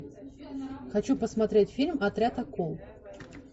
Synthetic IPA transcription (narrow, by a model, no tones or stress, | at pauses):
xɐt͡ɕupəsmɐt̪ɾʲetʲfʲilʲmɐt̪ɾʲat̪ɐkolˠ